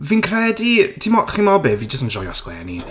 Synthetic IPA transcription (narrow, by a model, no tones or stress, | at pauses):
vinkʰrɛditʰimɔχimɔbɪvid͡ʒəstəmʒɔjɔ̰skwɛ̰ːnḭ